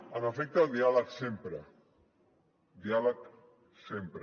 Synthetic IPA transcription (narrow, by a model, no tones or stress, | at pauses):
əməfek̚t̪aːlˠd̪ialəksempɾə | d̪ialək | sempɾ